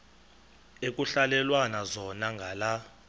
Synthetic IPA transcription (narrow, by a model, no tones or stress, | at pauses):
ek̬ʼuɬalɛlwanazɔnaŋɡʱala